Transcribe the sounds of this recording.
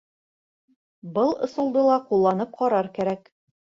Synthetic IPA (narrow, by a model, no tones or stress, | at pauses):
bɤlˠŏsŏlˠd̪ɤlˠɑqulˠːɑnɤp̚qɒɾɑɾkæɾæk